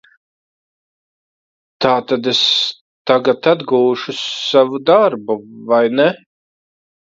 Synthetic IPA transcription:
t̪aːt̪ad̪es | t̪aɡat̪ad̪ɡuːʃusavud̪aɾbuvajnɛ

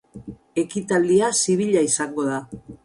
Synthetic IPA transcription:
e̞kit̪ald̪iasiβ̞iʎaisaŋɡo̞ða

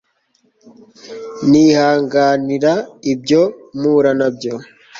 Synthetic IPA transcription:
nihaːŋɡaːniɾaib̚ɟo̞muːɾanab̚ɟo̞

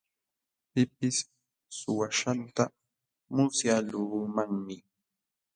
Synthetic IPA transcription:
pɪpɪsː | ʊwaʃant̪a | mʊsjalʊɾʊmaŋmɪ

